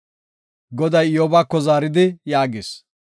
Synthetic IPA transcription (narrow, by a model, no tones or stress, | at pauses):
ɡɔd̪ɐjjoːbaːkːɔzaːɾɪd̪ɪjaːɡɪːs